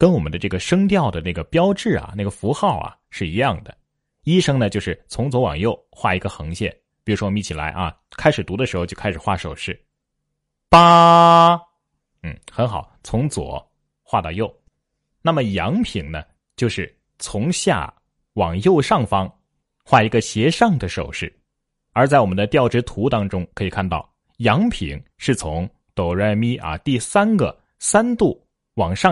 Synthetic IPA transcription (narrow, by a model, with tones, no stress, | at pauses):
kə˥nwɔ˨˩mə˦nd̪ə˧ʈ͡ʂɤ˥˩ɡə˩ʂɤ˥ŋt̪jɑ˥˩ʊd̪ə˩na˥˩ɡə˩pjɑ˥ʊʈ͡ʂɻ̩˥˩ɐ̰˩na˥˩ɡə˩fu˧˥xɑ˥˩ʊɐ̰˩ʂɻ̩˥˩i˧˥jɑ˥˩ŋd̪ə˩ | i˥ʂɤ˥ŋnə˨t͡ɕjo˥˧ʊʂɻ̩˥˩t͡sʰʊ˧˥ŋt͡swɔ˧˥wɑ̰˨˩ŋjo˥˧ʊxwa˥˩i˧˥ɡə˧xɤ˧˥ŋɕjɛ˥˩n | pi˨˩ɻu˧˥ʂwɔ˥˩ɔ˨˧mi˥˩t͡ɕʰi˨˩la˧˥ɪʔɐ̰˧ | kʰa˥ɪʂɻ̩˨˩t̪u˧˥d̪ə˧ʂɻ̩˧˥xt͡ɕjo˥˧˩a˥ɪʂɻ̩˨˩xwa˥˩ʂo˨˩ʊʂɻ̩˥˩ | pa˥ | n̩˥˩xə˧˥nxɑ˨˩ʊt͡sʰʊ˧˥ŋt͡swɔ̰˨˩˦ | xwa˥˧t̪ɑ˥˧jo˥˩ʊ | na˥˩mə˩jɑ˧˥ŋpʰi˨˩ŋnə̰˦ | t͡ɕjo˥˧ʊʂɻ̩˥˩ | t͡sʰʊ˧˥ŋɕja̰˥˩ | wɑ˨˩ŋjo˥˧ʊʂɑ˥˩ŋfɑ˥ŋ | xwa˥˩i˧˥ɡə˧ɕjɛ˧˥ʂɑ˥˩ŋd̪ə˩ʂo˨˩ʊʂɻ̩˥˩ | ə˞˧˥t͡sa˥˩ɪwɔ˨˩mə˦nd̪ə˧t̪jɑ˥˩ʊʈ͡ʂɻ̩˧˥t̪ʰu˧˥t̪ɑ˥ŋʈ͡ʂʊ˥ŋkʰɤ˧˥i˨˩kʰa˥˧nt̪ɑ˥˩ʊ | jɑ˧˥ŋpʰḭ˨˩˦ŋ | ʂɻ̩˥˩t͡sʰʊ˧˥ŋ | t̪o˨˩ʊɻə˥˩nmi˥ʔɐ̰˧t̪i˥˩sa˥nɡə̰˨ | sa˥nt̪u˥˩ | wɑ˨˩ŋʂɑ˥˧